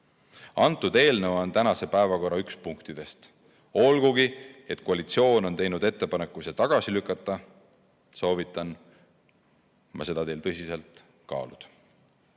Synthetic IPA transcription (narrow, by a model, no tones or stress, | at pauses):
ɑnt̪ːˑud̪e̞ːlnevɑnt̪ænɑse̞pæevɑko̞ɾɑykspuŋkt̪id̪̥e̞st̪ | o̞lɡ̥uɡ̥ie̞t̪ˑkoɑlit̪sio̞ːno̞nt̪e̞jnud̪e̞t̪ːe̞pɑne̞kːˑuset̪ɑɡ̥ɑsilykːˑɑt̪ˑːɑ | so̞ːvit̪ːˑɑn | mɑ̰se̞d̪̥ɑt̪e̞jlt̪ɤsʲise̞lt̪ | kɑ̰ːlṵd̪̥